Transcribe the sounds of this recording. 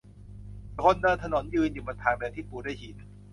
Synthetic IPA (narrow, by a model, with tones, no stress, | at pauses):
kʰo˧nːɤː˧nt̪ʰa˧no˨˩˦njɯː˧njuː˨˩ba˧nt̪ʰaː˨˧˦nbe˧ɛ˧˩t̪ʰiː˥˩puː˨˩daː˥˩jhʰiː˨˦n